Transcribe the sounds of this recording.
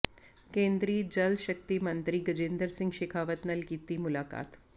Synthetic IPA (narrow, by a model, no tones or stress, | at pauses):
kẽːnd̪ɾiːd͡ʒɐlʃɐk̚t̪imɐnt̪ɾiɡɐd͡ʒind̪əɾsɪ̃ŋɡʃekʰaːʋət̪nɐlkiːt̪imʊlaːka̰ːt̪